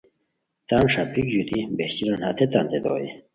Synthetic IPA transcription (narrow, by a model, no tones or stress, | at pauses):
t̪aːnʂapʰikd͡ʑut̪ibeht͡ɕiɾɐnhat̪ʰet̪aːnt̪ed̪o̰ːḭ